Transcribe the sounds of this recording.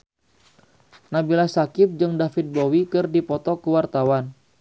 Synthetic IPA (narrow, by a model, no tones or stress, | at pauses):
nabilasakɪp̚d͡ʒɨŋdafit̪̚bowikɨrdipɔt̪ɔkəwart̪awan